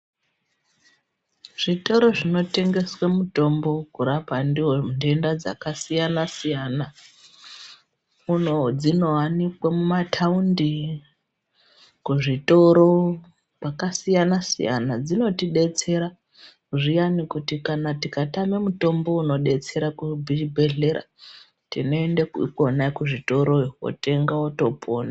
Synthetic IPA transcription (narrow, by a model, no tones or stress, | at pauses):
ʐ̥ito̞ɾo̞ʐino̞te̞ŋɡe̞swamuto̞mbo̞kuɾapandiɦonde̞ndad͡za̰kasijanasijana | unod͡zino̞wanikwamumatʰaundi | kuʐito̞ɾo̞ | pakasijanasḭja̰nad͡zino̞tiɗe̞t͡se̞ɾa | kuʐijanikutikanatikatamemuto̞mbo̞uno̞ɗe̞t͡se̞ɾakubʱibʱe̞ɮe̞ɾa̰ | tḭno̞endekuiko̞naikuʐito̞ɾo̞iwo̰te̞ŋɡawoto̞pʰoːna